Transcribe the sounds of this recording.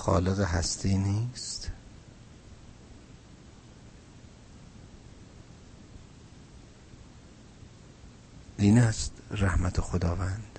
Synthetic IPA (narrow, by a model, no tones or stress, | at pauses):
xɒ̰ːleɣeɦæst̪ʰiːniːst̪ | ʔiːnæst̪ræhmæt̪ʰexod̪ɒːvænd̪̥